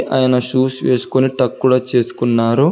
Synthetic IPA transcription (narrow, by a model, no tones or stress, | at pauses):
ʔaːjɐnɐʃuːsʋe̞ːsu̥koniʈɐkːuɽɐt͡ʃe̞ːsu̥kunːaːɾu